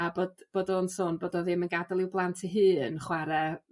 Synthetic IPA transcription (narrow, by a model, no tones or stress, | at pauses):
abodb̥oːdɔnsoːnboːdɔðɪmənɡadalˠɪwblˠantʰiɦɨːnχwaɾɛ